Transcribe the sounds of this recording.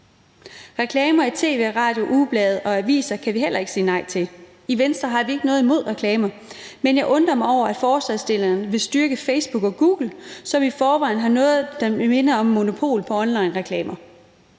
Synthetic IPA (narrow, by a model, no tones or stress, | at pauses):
ʁɛkʰlɛːmɐit͡sʰe̝̰ːʋe̝̰ːʁɑ̈ːd̥jo̝ʔub̥lɛːð̩ˠɒ̽æʋḭːsɐkʰæʋiɦel̰ɐe̝ɡ̥siːnɑ̈ɪ̰t͡sʰe̝l | iʋensd̥ʁɐɦɑ̈ʋie̝ɡ̥ənɔ̽ːð̩ˠimo̝ð̰ˠʁɛkʰlɛːmɐ | menjɑ̈ɪʔɔ̽nd̥ʁɐmɑ̈ɪɒʊ̰ɐæd̥fɒːsɛðsd̥e̝lɐnʋe̝sd̥yɐɡ̥əfeɪsb̥uɡ̥ɒ̽ɡ̥uːɡ̥l̩sɒ̽mifɒːʋɑ̈ɪ̰nɦɑ̈nɔ̽ːð̩ˠd̥ɑ̈me̝nɐɒ̽mːo̝no̝pʰo̝̰ːlpʰɒ̽ɒ̽nlɑ̈ɪnʁɛkʰlɛːmɐ